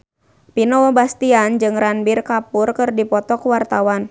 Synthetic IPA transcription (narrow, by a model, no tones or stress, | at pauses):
pinɔwɔbast̪iand͡ʒɨŋɾanbirkapʊrkɨrdipɔt̪ɔkuwart̪awan